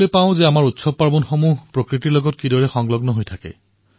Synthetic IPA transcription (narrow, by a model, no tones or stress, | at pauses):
lepãʊ̃zeamaɹutsɔb̚paɹbɔnxomuɦpɹokɹitilɔɡɔtkidɔɹɛxɔŋlɔɡnɔɦojtʰakɛ̰